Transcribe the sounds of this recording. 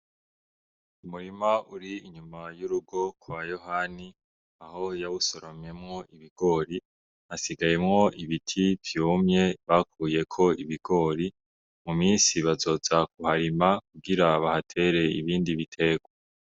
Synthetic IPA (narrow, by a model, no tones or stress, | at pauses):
umuɾimaʔuɾiiɲumajuɾuɡo̞kwajo̞hani | aho̞jawusoɾomɲe̞mŋo̞ʔiβiɡ̥o̞ːɾi | asiɡaje̞mŋo̞ʔiβitʰivjuːmɲe̞βakʰuːje̞kʰo̞iβiɡ̥o̞ːɾi | mumiːnsiβazo̞ːzak̚uhaɾimak̚uɡiɾaβahatʰe̞ːɾe̞iβiːndiβitʰe̞ːɡ̥wa